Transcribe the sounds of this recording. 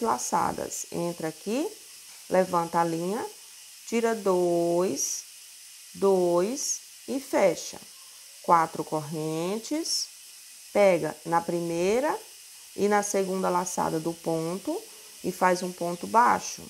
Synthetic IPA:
zlasa̰d̪ɐ̰sḛ̃nt̪ɾaki | lʔevɐ̃nt̪ɐalĩɲɐ | t͡ʃiɾɐd̪ojs | d̪ojs | ɪfɛʃɐ̰ | kwat̪ɾʊkoɦẽt͡ʃɪs | pɛɡɐ̰nɐpɾimejɾɐ | ɪnɐseɡũnd̪ɐlasa̰d̪ɐd̪ʊpõnt̪ʊ | ɪfajzũpõnt̪ʊbaʃʊ̰

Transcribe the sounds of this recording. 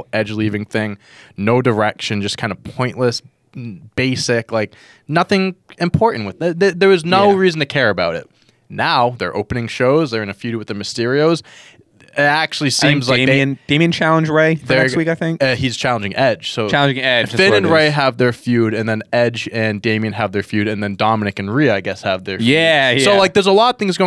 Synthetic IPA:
ɛd͡ʒlivɪ̃ŋθɪ̃ŋ | noʊdə˞ɛkʃɨ̃nd͡ʒʌskʰãɪ̃nə̥pʰɔ̃ɪ̃nʔləs | b̥eɪsɪklaɪk̚ | nʌθɪ̃ŋɨ̃mpʰɔɹʔn̩ʔwɨðɨðəðə˞ɨznoʊɹizn̩tʰɨkʰɛɹɨbaʊɾɪ̰t̚ | naʊðə̰˞ʔo̰ʊpɨnɪ̃ŋʃoʊzðə˞ɨ̃nɨfjʉɾ̚wɨðɨmɨstɪɹioʊz̥ | ɪɾæk̚t͡ʃʉl̩ˠisiɪ̃mzlaɪɨ̃nd̥ẽɪmiɨ̃nt͡ʃʰælˠə̃nd͡ʒɹeɪðəs̚wikaɪθɪ̃ŋkʌhiz̥t͡ʃʰælˠə̃nd͡ʒɪ̃ŋʔɛd̥ʒ̥soʊt͡ʃʰælˠə̃nd͡ʒɪ̃ŋɛ̥fɪ̃nɨ̃nɹeɪɦəvðə˞fjʉɾɨ̃nðɨ̃nɛd͡ʒɨ̃ndẽɪ̃miɨ̃nəvðə˞fjʉɾɨ̃nðɨ̃ndɑmənɨkɨ̃n̩ɹiaɪɡɛshəvðə˞jjæsoʊlaɪk̚ðə˞zəlɔɾʌv̥θɪ̃ŋzɡoʊ

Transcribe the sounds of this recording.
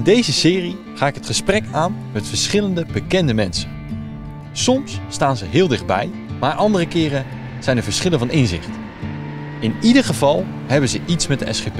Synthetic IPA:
ɪndejzəsɪːri | χaːɪkɦətχəsprɛkaːnmɛtfəɹsχɪləndəbəkɛndəmɛnsə̥ | sɔmstaːnzəɦɪːlˠdɪχd̚bɛ̰j | maːɹʔɑndərəkɪːrə | z̥ɛjnəɹvəɹsχɪləvɑnɪnzɪ̰χt | ɪnidəɹχəvɑlˠ | ɦɛbənzəʔitsmɛt̚dəʔɛ̰sχep

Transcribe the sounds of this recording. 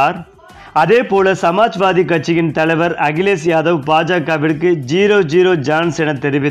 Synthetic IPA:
ɾ | ɐðeːpoːlɐsɐmaːd͡ʒʋaːðikːɐʈ̚t͡ʃːɪjɪnt̪ɐlɐɪʋɐɾɐɣɪleːsjaːðɐʋpaːd͡ʒaːkːaːʋɪɾkːɯd͡ʒiːɾoːd͡ʒiːɾoːd͡ʒaːnsɛnɐt̪ːɛɾɪʋɪ

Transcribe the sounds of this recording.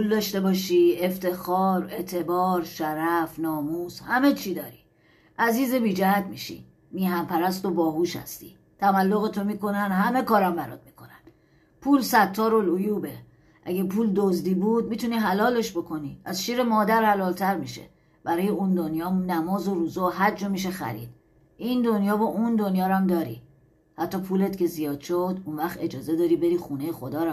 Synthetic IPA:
pʰuld̪ɒʃt̪e̞bɒːʃieft̪e̞xɒːɾe̞t̪ʰe̞bɒːɾʃæɾæfnɒːmuːzhæme̞t͡ʃʰiːd̪ɒːɾi | ʔæziːzebiːd͡ʒæhæt̪̚ʰmiʃḭ | miːhæmpʰæɾæst̪obɒːhuʃhæ̰st̪i̥̰ | t̪ʰæmælːoɣet̪ʰomiːko̞nænɦæme̞kɒːɾæmbæɾɒ̰d̪̚miːkʰo̞næn | pʰuːlsæt̪ʰːɒːɾolojuːbe | ʔæɟepʰuːld̪ozd̪iːbuːd̪̚miːt̪ʰuniːɦælɒːle̞ʃbo̞kʰo̞niːæzʃiːɾe̞mɒːd̪æɾhælɒːlt̪ʰæɾmiːʃḛ | bæɾɒːjeund̪onjɒːnæmɒːzoɾuːzeɦæɾd͡ʒɒmiʃ̬exæ̰ɾḭd̪̥̚ | ʔind̪onjɒːbɒːʔund̪o̞njɒːɾæmd̪ɒːɾḭ | hæt̪ʰːɒːpʰuːle̞t̪ce̞zijɒːd̪̥ʃod̪unvæxt̪e̞d͡ʒɒːze̞d̪ɒːɾibe̞ɾiːxune̞jexod̪ɒːɾæ

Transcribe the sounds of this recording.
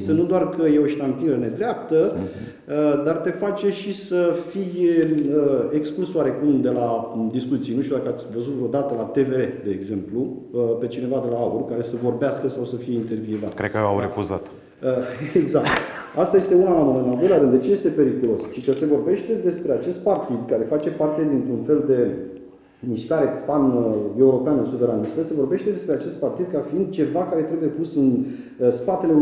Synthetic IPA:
st̪ənud̪oarkəjeoəʃt̪ampilɡəne̞d̪ɾeapt̪ə | d̪art̪e̞fat͡ʃe̞ʃisəfijəeksklusowaɾe̞kumd̪e̞lad̪ispozit̪sijenuʃt̪ʲod̪akəavəzut̪vɾo̞d̪at̪əlat̪e̞ve̞ɾe̞d̪e̞ːɡzemplu | pe̞t͡ʃine̞vad̪e̞laaurkaɾe̞səvo̞rbeaskəsawsəfije̞int̪e̞rvjuvat̪kɾed̪̚kəjea̰wɾefuza̰t̪ | əeɡzak̚t̪ | ast̪aje̞st̪e̞unalamonəɨnald̪o̞jlʲaɾɨnd̪et͡ʃije̞st̪e̞pe̞ɾikulo̞st͡ʃikəse̞vo̞rbe̞ʃt̪e̞d̪e̞spɾe̞at͡ʃe̞st̪̚part̪id̪kaɾe̞fat͡ʃe̞part̪e̞d̪int̪ɾunfe̞ld̪e̞ | miʃkaɾe̞pane̞uɾo̞peanəsuve̞ɾanist̪əse̞vo̞rbe̞ʃt̪e̞d̪e̞spɾe̞at͡ʃe̞st̪̚part̪id̪kafiind̪̚t͡ʃe̞vakaɾe̞t̪ɾe̞buje̞pusɨn | spat̪e̞le

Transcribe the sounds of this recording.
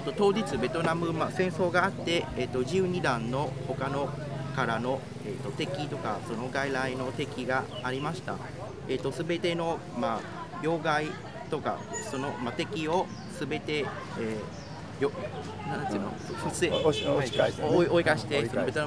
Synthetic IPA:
et̪ːo̞t̪o̞ːd͡ʑit͡sɨbe̞t̪o̞namɯ̟masẽ̞ɰ̃so̞ːɡaːt̪ːe̞ːt̪ːo̞ʑɨːɲ̟id̪ãnːo̞ho̞kano̞kaɾano̞ | et̪ːo̞t̪e̞kʲit̪o̞ka̰so̞no̞ɡaiɾaino̞t̪e̞kʲiɡaːɾʲimaɕi̥t̪a̰ | et̪ːosɨbe̞t̪e̞no̞ | ma | jo̞ːɡai | t̪o̞ka̰so̞no̞mat̪e̞kʲio̞ | sɨbe̞t̪e̞ | eː | jo | nãnːt̪ɨno̰se | ioikaɕi̥t̪e̞soobet̪on

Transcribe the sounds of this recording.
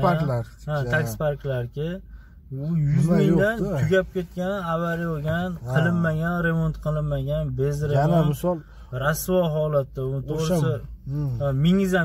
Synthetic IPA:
ɾaakʲspaɾklaɾkʲʰɪ | ʊjʊzmɪŋd̪ant̪ʰʊɡʲap̚kʲe̞t̪̚kʲanavaɾiboɡʲanqʰɨlˠɪnmaɡʲanɾe̞mo̞nt̪qʰɨlˠɪnmaɡʲanbe̞zɾemon | ɾasvɒɦɒlat̪d̪aʊnɪt̪ʰoɾsɪ | amɪŋɪza

